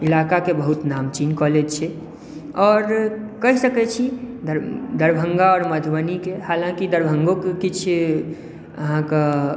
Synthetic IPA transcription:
ilakakebəɦut̪namt͡ʃinkɔled͡ʒt͡ʃʰɛ | ɔːɾkəɦisəkɛt͡ʃʰid̪d̪əɾbʱə̃ŋɡaɔːɾməd̪ʱbənikehalãkid̪əɾbʱəŋɡokekit͡ʃʰ | əɦãke

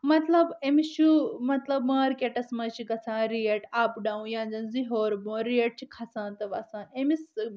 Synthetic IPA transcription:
mɐt̪lɐbemist͡ʃʰumɐt̪lɐbmaːɾkeʈɐsmɐt͡ʃʰikɐt͡sʰãːɾijeʈaːpɖaːũjãːnd͡zɐnziɦoːɾbõːɾijeʈ̚t͡ʃʰikʰɐsãːnt̪ɐʋɐsãːʔemis

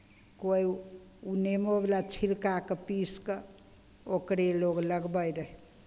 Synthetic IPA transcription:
koj | unemoblat͡ʃʰilkakəpiskə | okɾeloɡləɡbəjɾəɦe

